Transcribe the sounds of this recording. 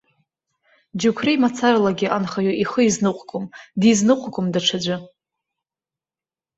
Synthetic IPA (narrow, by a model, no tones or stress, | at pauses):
d͡ʒukʷʰrijmat͡sʰaralaɡʲɪʔanχaɥoʔiχəiznɨqʷʼɡʰʼomdiznɨqʷʼɡʷomdaʈ͡ʂʰad͡ʒʷa